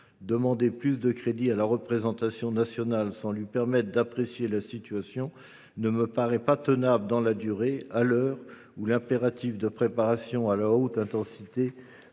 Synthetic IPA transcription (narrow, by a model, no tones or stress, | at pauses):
d̪əmɑ̃d̪eplysd̪əkχed̪ialaʁəpχezɑ̃t̪asjɔ̃nasjɔnalsɑ̃lɥipɛʁmɛt̪χd̪apχesjelasit̪ɥasjɔ̃ | nəməpaʁɛpat̪ənabəd̪ɑ̃lad̪yʁealœːʁ | ulɛ̃peʁat̪ifd̪əpχepaʁasjɔ̃alaot̪ɛ̃t̪ɑ̃sit̪e